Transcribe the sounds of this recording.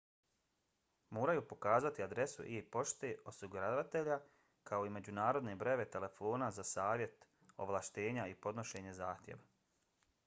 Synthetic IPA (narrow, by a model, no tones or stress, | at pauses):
moːɾajuːpo̞kaːzat̪iad̪ɾe̞sṵʔipo̞ʃt̪e̞o̞siɡuɾaʋat̪e̞ʎa | kʰao̞ime̞d͡ʑunaːɾo̞d̪ne̞bɾe̞ʋe̞t̪e̞le̞foːnazasaːʋje̞t̪ | o̞̰ʋlˠaʃt̪e̞ːɲaipo̞d̪no̞ʃe̞ɲe̞zaːxt̪ʲjḛʋa